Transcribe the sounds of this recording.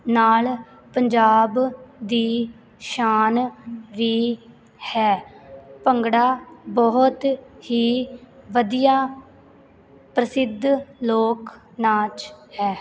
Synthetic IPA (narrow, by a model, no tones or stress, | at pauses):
naːl | pəɲd͡ʒaːbd̪iː | ʃaːnʋiː | hɛːpəŋɡɽaːbɔɦʊt̪hiːʋəd̪ijaː | pɾəsɪd̪ʱloːk | naːt͡ʃhɛː